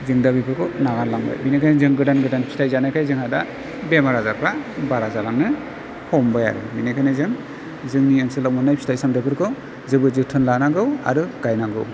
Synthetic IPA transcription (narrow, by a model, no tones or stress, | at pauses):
zɯŋdabipʰɯɾkʰɯnaɡallaŋba̰jbinejkʰajnizɯŋɡɯdanɡɯdanpʰi̥tajzanajkʰajzɯŋhada | bemaɾazaɾpʰabaɾazalaŋnɯ | hʰɔmbaja̰ɾɯ̰minakʰajnɯzɯŋ | zɯŋniansɯlawmɔnːajpʰi̥stajsaŋdɯpʰɯɾkʰɯw | zɯbɯzɯtʰɯnlanaɡɯwa̰ɾɯɡ̥ajnaɡɯw